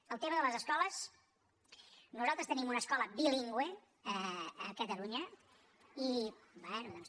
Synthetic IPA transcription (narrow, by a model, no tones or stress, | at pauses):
əlˠt̪eməðələzəskɔləs | nuzalˠt̪ɾəst̪ənimunəskɔləbiliŋɡwe | əəkət̪əluɲə | ibɛnuðɔns